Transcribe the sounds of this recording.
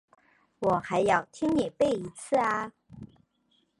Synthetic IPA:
wɔ˨˩xa˧˥ɪjɑ˥˩ʊt̪ʰi˥ŋnjɛ˨˩pe˥˩ɪi˧˥t͡sʰɹ̩˥˩a˧

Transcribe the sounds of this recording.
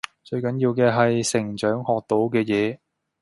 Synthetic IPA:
t͡ʃɵ˧ɥkɐ˨˥njiː˧wkɛː˧ɦɐ˨jsɪ˨˩ŋt͡ʃœː˨˥ŋhɔː˨k̚t̪o˨˥wkɛː˧jɛː˨˧

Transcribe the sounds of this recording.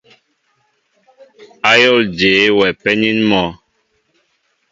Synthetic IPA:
a˦jɔ˦˨ld͡ʒe˨˦wɛ˨pɛ˦ni˦nmɔ˨˦

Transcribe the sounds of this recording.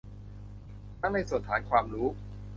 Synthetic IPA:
ta˦˥˩ŋna˧jsu˨˩ət̪ʰaː˦˥jkʰwaː˧mɾuː˦˥

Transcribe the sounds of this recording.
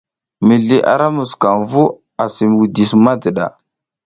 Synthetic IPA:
mi˨ɮi˨ʔa̰˨ɾa˦mu˨ska˨nvu˦ | a˨si˨m˨wu˨di˨sma˦də˨ɗa̰˨

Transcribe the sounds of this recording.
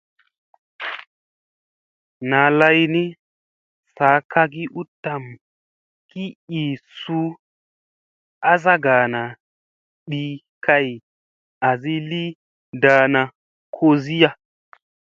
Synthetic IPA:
na˨la˧jni˦ | sa˨˦kʰa˧k̬i˦ʔu˦tːa˨m | ki˦i˨su˦ | a˦za˦ɡa˨na˨ | ɗi˦ | kʰa˦j | a˨zi˦li˦ | da˧na˨ | kʰo˧zi˦ja˧

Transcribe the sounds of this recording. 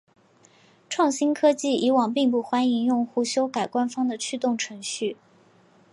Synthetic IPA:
ʈ͡ʂʰwɑ˥˩ŋɕi˥nkʰɤ˥t͡ɕi˥˩i˧˥wɑ˨˩ŋpi˥˧ŋp̬u˥˩xwa˥ni˧˥ŋjʊ˥˧ŋxu˥˩ɕjo˥ʊka˨˩ɪkwa˥nfɑ˥ŋd̪ə˨t͡ɕʰy˥˧t̪ʊ˥˩ŋʈ͡ʂʰɤ˧˥ŋɕy˥˩

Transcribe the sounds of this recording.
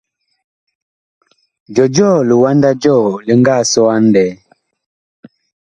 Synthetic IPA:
d͡ʒɔ˨d͡ʒɔː˦˨li˨wa˦nda˦d͡ʒɔ˦˨li˨ŋɡa˦˨sɔ˦a˦n˦dɛ˨˦

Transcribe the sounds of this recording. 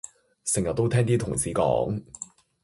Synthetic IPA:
sɪ˨˩ŋjɐ˨t̚t̪ːo˥wt̪ʰɛː˥ŋt̪iː˥t̪ʰʊ˨˩ŋsiː˨˥kɔ̰ː˨˥ŋ

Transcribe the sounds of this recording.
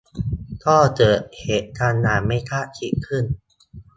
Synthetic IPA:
t̪ʰɔː˥˩t͡ɕɤː˨˩t̪̚heː˨˩t̪̚kʰaː˧nːaː˨˩˦ma˥˩jt̪ʰa˦˥ʔt͡ɕ̪ʰi˨˦kʰɯ˥˩n

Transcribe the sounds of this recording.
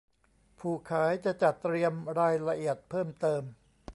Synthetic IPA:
pʰuː˨˩kʰaː˩˦jt͡ɕa˨˩ʔt͡ɕa˨˩t̪ːɾi˧əmɾaː˧jla˧ʔi˨˩ət̪̚pʰɤː˥˩mt̪ɤː˧m

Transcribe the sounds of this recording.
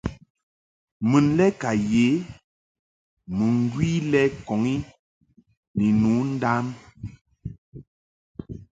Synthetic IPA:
mɨ˨nlɛ˦ka˨je˨˦ | mɨ˨ŋ˦ɡwiː˦lɛ˦kɔ˨ŋi˦ | ni˨nu˨˦n̩˦da˦m

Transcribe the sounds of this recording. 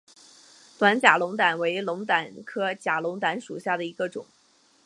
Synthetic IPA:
t̪wa˧˥nt͡ɕja˨˩lʊ˧˥ŋt̪a˨˩nwe˧˥ɪlʊ˧˥ŋt̪a˨˩˦nkʰɤ˥t͡ɕja˨˩lʊ˧˥ŋt̪̬a˧˥nʂu˨˩ɕja˥˩d̪ə˩i˧˥ɡə˧ʈ͡ʂʊ̰˨˩˦ŋ

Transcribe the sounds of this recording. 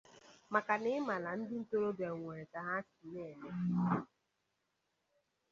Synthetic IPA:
ma˨ka˨nɪ˦ɪ˦ma˨la˨n̩˦dɪ˦n̩˦to˦ɾo˦de˨ŋʷe˨ɾe˨ta˨ɦa˦t͡ʃi̥˨ne˦˨le˦

